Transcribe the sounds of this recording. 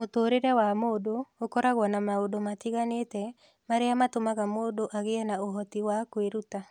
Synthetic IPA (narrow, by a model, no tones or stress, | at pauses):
motoɾeɾɛwamoːdookɔɾaɣwɔnamaodomatiɣanetɛ | maɾeamatomaɣamoːdoʔaɣeɛnaoɦɔtiwakweɾuta